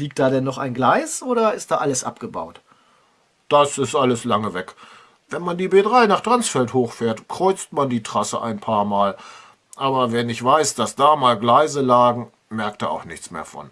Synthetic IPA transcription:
liːk̚td̥aːdɛnːɔχa̰ɪnɡlaɪsʔoːɾɐɪst̚d̥aːʔaləsʔa̰pɡ̥əba̰ʊt | d̥asɪstʔaləslaŋəvɛk | vɛnmandiːbeːdʁaɪnaːχd̥ʁ̥ant͡sfɛlthoːxfɛːɐtkʁ̥ɔʏt͡stmandiːtʁ̥asəʔa̰ɪnpʰaːɐmaːl | ʔaːbɐvɛnɪçv̥aɪsd̥asd̥aːmaːlɡlaɪzəlaːɡŋ̩ | mɛɐk̚tdaa̰ʊxnɪçt͡smḛːɐfɔ̰n

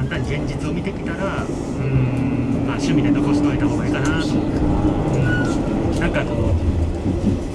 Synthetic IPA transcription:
ãnt̪ãɲɡẽ̞ɲ̟d͡ʑit͡sɨo̞mʲit̪e̞kʲi̥t̪aɾa | ɯ̟̃ɴmaːɕɨmʲid̪e̞noko̞ɕi̥t̪oit̪amoɡaikanat̪o | ɯ̟̃ɴnãŋkako̞ː

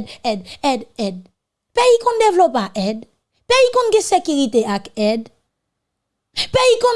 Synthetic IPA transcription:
dɛdɛd̪ɛd̪̚ | pɛikɔ̃nd̪evlopaʔɛd̪ | pɛikɔ̃nɡesekyʁit̪eakɛd̪ | pɛikɔ̃

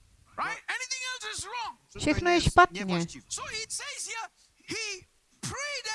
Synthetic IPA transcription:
ɹaɪt̚ɛnit̪ɪ̃ŋɛlsɪsɹɔ̃ŋʃekʰnoeʃpat̪̚niesoiseɪzji | hi | pʰɹed

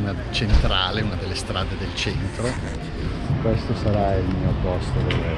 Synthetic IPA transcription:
na | t͡ʃent̪ɾaːleunad̪elːest̪ɾaːd̪ed̪elt͡ʃɛnt̪ɾo | kwest̪osaɾailmiːopɔst̪od̪el

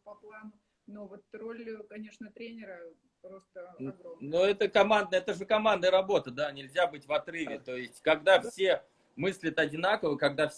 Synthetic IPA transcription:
pɐplˠanʊ | nuvot̪rolʲkɐnʲe̞ʂnət̪ɾʲenʲɪɾə | pɾost̪ənoɛt̪əkɐmand̪nəɛt̪əʐɨkɐmand̪nəjəɾɐbo̞t̪əd̪anʲɪlʲzʲabɨtʲvɐt̪rɨvʲɪt̪ojɪsʲtʲkɐɡd̪afsʲe̞ | mɨsʲlʲɪt̪ɐdʲɪnakəvəkɐɡ̚d̪afsʲ

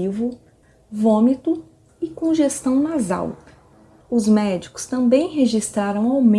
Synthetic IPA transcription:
ivʊ | võmit̪ʊ | ɪkõʒest̪ɐ̃w̃naza̰w | ʊzmɛd͡ʒikʊ̥st̪ɐ̃mbẽj̃ɦeʒist̪ɾaɾɐ̃w̃awmẽ

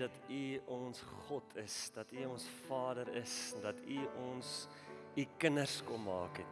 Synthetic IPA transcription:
dɐtʰiɔnsχɔtʰəsdɐtiɔnsfɑːdəɾəsdɐtʰiɔns | ikənərskɔmmɑ̰ːkɛt

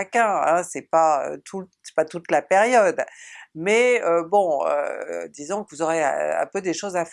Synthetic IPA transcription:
akʲɛ̃ɛ̃sɛpaø̰t̪ʰusɛ̥pat̪ut̪lapeʁjɔd̪mɛøbɔ̃ø̰d̪izɔ̃kəvuzɔʁeɛ̰̃pød̪eʃozaf

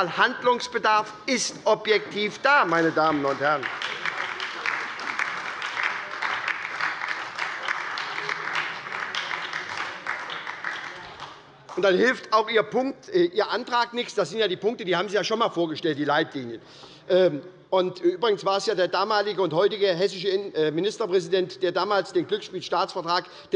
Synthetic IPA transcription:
lhandlʊŋsb̥ədaɐf | ɪstʔɔpjɛk̚tʰiːfd̥aːmaɪnədaːmənʊnthɛʁən | ʔʊntd̥anhɪlftaʊxʔiːɐpʰʊŋk̚tːʔiːɐʔantʁ̥aːknɪçsd̥asz̥ɪntjaːdiːpʊŋk̚tədiːhaːbm̩ziːjaːʃoːnmaːlfoːɐɡəʃtɛlt̚d̥iːlaɪtliːnjə | ʔ | ʔʊntʔyːbʁɪɡən̩sv̥aːɛsjaːdeːɐdaːmaːlɪɡəʊnthɔʏtɪɡəɦɛsɪʃəmɪnɪstɐpʁ̥ɛzidɛntd̥eːɐdaːmaːlsd̥eːnɡlʏksʃpiːlʃtaːt͡sfɛɐtʁ̥aːk | d̥

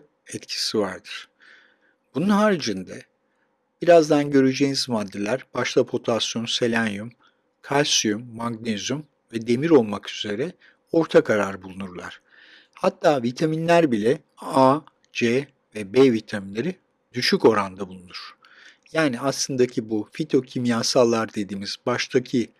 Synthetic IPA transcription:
ɛt̪cʰi̥sivaɾd̪ɯɾ̥ | b̥ununɦaːɾid͡ʒɯnd̪ɛ | b̥iɾazd̪anɟø̞ɾyd͡ʒejnizmad̪ːelʲæɾbaʃlˠapʰo̞t̪ʰasjo̞nse̞lʲænjym | kʰalʲsijumːaŋɡnezym | vɛd̪e̞miɾo̞lˠmakyz̥e̞ɾɛ | o̞ɾt̪ʰakʰaɾaɾɯbulˠunuɾlˠa̰ɾ̝̥ | hat̪ʰːaːvit̪ʰaminlʲæɾbilʲɛ | a | d͡ʒe | vɛbevit̪ʰaminlʲe̞ɾi | d̪̥yʃyco̞ɾand̪abulˠunuɾ̥ | jaːniaslˠɯnd̪acʰibufit̪ʰo̞cʰimjaːsalˠːaɾd̪e̞d̪iːmiz̥baʃt̪ʰacʰi

